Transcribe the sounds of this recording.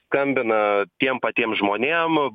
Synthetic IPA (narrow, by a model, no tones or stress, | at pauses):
skɐmʲbʲɪnɐt̪ʲiɛmpɐt̪ʲiɛmʒmoːnʲeːm